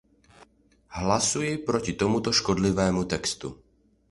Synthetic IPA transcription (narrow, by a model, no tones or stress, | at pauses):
ɦlasujipɾɔcit̪ɔmut̪ɔʃkɔd̪liʋɛːmut̪ɛkst̪ṵ